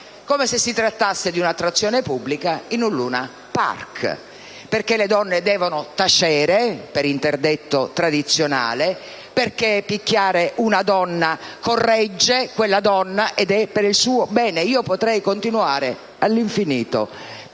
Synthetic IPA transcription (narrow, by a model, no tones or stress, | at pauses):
komesesːit̪ɾat̪ːasːed̪iunat̪ːɾat̪sːjɔːnepubːlikainulːuːna̰ | pa̰rk | perkeled̪ɔnːed̪ɛːvonot̪at͡ʃɛːɾepeɾint̪erd̪et̪ːot̪ɾad̪it̪sːjona̰ːle | perkepikːjaːɾeʔunad̪ɔnːakorːɛd͡ʒːekwelːad̪ɔnːaʔɛd̪ɛpːeɾilsuːobɛːneiːopot̪ɾɛjkont̪inuaːɾe | alːiɱfiniːt̪o̰